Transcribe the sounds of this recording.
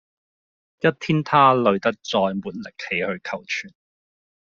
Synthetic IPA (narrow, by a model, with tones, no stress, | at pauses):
jɐ˥t̚t̪ʰiː˥nt̪ʰaː˥lɵ˨˧ɥt̪ɐ˥k̚t͡sɔː˧jmuː˨˩t̚lɪ˨˩k̚he˨˧jhɵ˧ɥkʰɐ˨˩wt͡ʃʰyː˨˩n